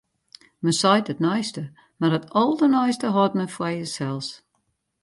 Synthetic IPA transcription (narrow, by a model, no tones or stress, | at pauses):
məsɔjtətnɔjstə | marətʰɔlˠdənɔjstəɦɔt̚məfwajəsɛlˠs